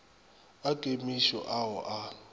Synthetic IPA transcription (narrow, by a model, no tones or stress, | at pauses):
akʼemiʃɔ̰ʔaɦɔʔa